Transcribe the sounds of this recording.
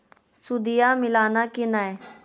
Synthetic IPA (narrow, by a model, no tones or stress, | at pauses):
sud̪ijaːmɪlaːnaːkɪnaːe